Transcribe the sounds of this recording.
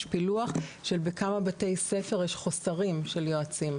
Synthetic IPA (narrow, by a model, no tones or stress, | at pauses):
ʃpiluaχʃelbekamabate̞jsefe̞ʁjeʃχosaʁimʃeljoat͡sim